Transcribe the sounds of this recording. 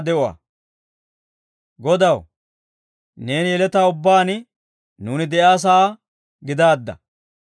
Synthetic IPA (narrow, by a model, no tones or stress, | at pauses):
d̪ɛʔʊwɐ̰ | ɡɔd̪ɐw | ne̞ːnjɛlɛt̪aːʊbːaːnɪ | nuːnɪd̪ɛjaːs̬aː | ɡɪd̪aːd̪ːɐ̰